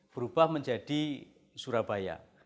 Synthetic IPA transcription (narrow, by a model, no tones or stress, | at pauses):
fəɾubahməɲd͡ʒadi | suɾabaja̰